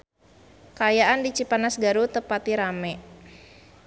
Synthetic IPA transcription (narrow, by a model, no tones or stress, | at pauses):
kajaʔandit͡ʃipanasɡaɾut̪əpat̪iɾamɛ